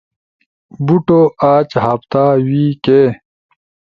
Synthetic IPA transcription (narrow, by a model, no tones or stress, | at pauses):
buʈoaːt͡ɕɦapt̪aːwiːkeː